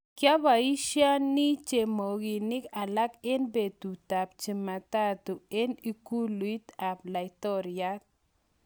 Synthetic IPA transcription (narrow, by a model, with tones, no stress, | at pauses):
kja˦βa˨i˦ʃa˦ni˦t͡ʃe˨mo˨ɣi˨ni˦ka˨la˦ke˦nbe˨t̪u˨ta˨p̚t͡ʃi˨ma˨t̪a˦t̪u˨e˦ni˦ku˦lui˦t̪a˨p̚la˨jt̪o˦ɾja˦t̪̚